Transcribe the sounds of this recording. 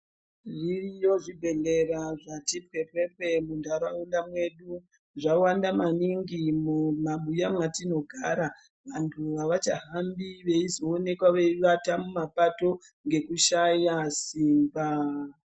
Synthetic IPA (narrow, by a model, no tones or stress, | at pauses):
ʐiijo̞ʐibʱe̞ɮe̞ɾaʐatipwe̞pe̞pe̞mundʱaɾaundamwe̞ɗu | ʐawandamaniŋɡimumaɓujamwatino̞ɡʱaɾa | ʋantʰuʋaʋat͡ʃaɦambiʋe̞izo̞ːne̞kwaʋe̞iʋatamumapato̞ | ŋɡe̞kuʃajasiːmba